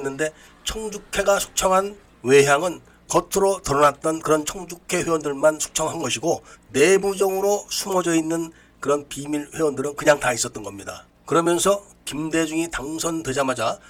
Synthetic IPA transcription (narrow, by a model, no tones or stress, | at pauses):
nːɯnde̞ | t͡ɕʰʌŋd͡ʑukʰe̞ɡasʰu̥k̚t͡ɕʰʌŋɦan | we̞ɦjaŋɯn | kʌtʰɯɾotɯɾʌnat̚t͈ʌnkɯɾʌnt͡ɕʰʌŋd͡ʑukʰe̞ɸwewʌndɯɭmansʰu̥k̚t͡ɕʰʌŋɦanɡʌɕʰiɡone̞bud͡ʑʌŋɯɾosʰumʌd͡ʑʌinːɯn | kɯɾʌnpimiɾɸewʌndɯɾɯnkɯɲaŋtais͈ʌt͈ʌnɡʌmɲida̰ | kɯɾʌmjʌnsʰʌ | kimde̞d͡ʑuŋitaŋsʰʌnted͡ʑamad͡ʑa